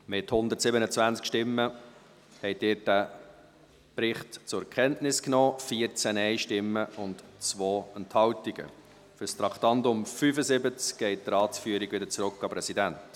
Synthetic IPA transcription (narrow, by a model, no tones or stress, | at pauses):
mɪthʊnd̪əɾtsɪbənət͡svænt͡skʃtɪmːə | hɛɪdɪːɾd̥æ | pɾɪχtt͡sʊɛkʰχɛntnɪsknɔːfiəɾt͡sænɛɪʃtɪmːəʊntt͡sʋoːɛnthɑwtiɡ̥ə̰ | fʏɾst̪ɾɑkʰt̪ɑndʊmfyːfəzɪbət͡skɡ̥ɛɪt̚t̪əɾɑːtsfyːɾiɡ̥vɪdəɾt͡sɾʊkːɑpɾɛsidænt